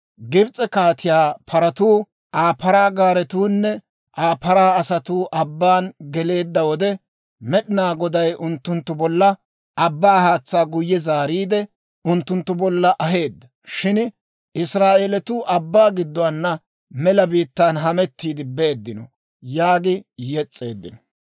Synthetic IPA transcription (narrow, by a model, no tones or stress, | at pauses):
ɡɪbt͡sʼɛkaːt̪ɪjaːpʰɐɾɐt̪uː | ʔaːpɐɾaːɡaːɾɛt̪uːnːɛ | ʔaːpɐɾaːɐsɐt̪uːʔɐbːaːnɡɛle̞ːd̪ːɐwɔd̪ɛ | mɛɗɪnaːɡɔd̪ɐjʔʊnt̪ːʊnt̪ːʊbɔlːɐ | ʔɐbːaːhaːt͡sːaːɡʊjːɛzaːɾiːd̪ɛ | ʊnt̪ːʊnt̪ːʊbɔlːɐʔɐɦe̞ːd̪ːɐ | ʃɪn | ɪsɾaːʔelɛt̪ʊʔɐbːaːɡɪd̪ːɔwanːɐ | mɛlɐbiːt̪ːaːnɦɐmɛt̪ːiːd̪ɪbe̞ːd̪ːɪnɔ̰ | jaːɡɪjɛt͡sʼːe̞̰ːd̪ːɪ̰nɔ̥